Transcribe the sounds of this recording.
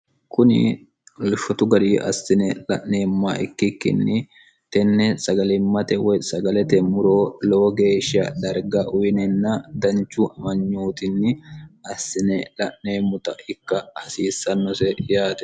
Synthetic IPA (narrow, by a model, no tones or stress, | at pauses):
kʊnɪ | lʊʃɔt̪ʊɡɐɾiːʔɐ̰sːɪnɛlɐʔne̞ːmːaːɪkːɪkːɪ̰nːɪ | t̪ɛnːɛsɐɡɐlɪmːɐt̪ɛwɔjsɐɡɐlɛt̪ɛmʊɾoːloːɡe̞ːʃɪɐ̰d̪ɐɾɡɐʔʊjɪnɛnːɐd̪ɐnt͡ʃːuʔɐmɐɲːuːt̪ɪnːɪɐsːɪnɛlɐʔneːmːʊt̪ɐʔɪkːɐhɐsiːsːɐnːɔsɛjaːt̪ɛ̥